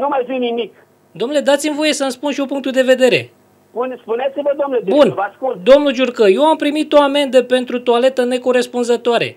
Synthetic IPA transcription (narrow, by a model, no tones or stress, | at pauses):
numajvinimik | d̪o̞mnule̞d̪at̪simvo̞je̞sənspunʃiopuŋkt̪ud̪e̞ve̞d̪e̞ɾe̞̰ | spunspunet̪sivəd̪oomnlebunvaskuld̪o̞mnud͡ʒurkəje̞wampɾimit̪o̞ame̞nd̪əpe̞nt̪ɾut̪uale̞t̪əne̞ko̞ɾe̞spunzət̪oaɾe̞̰